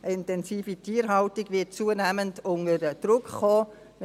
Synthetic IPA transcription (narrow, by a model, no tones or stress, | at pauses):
ʔəɪntɛnziːfitʰiːɾɦɑltiɡʋɪt̚t͡suːənæməndʊŋəəd̥ɾʊkχɔː